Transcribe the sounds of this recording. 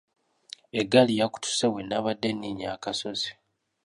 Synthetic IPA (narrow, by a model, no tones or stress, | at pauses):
eɡalijaku̥tu̥sewenːaβadːenːiɲakaso̞zi̥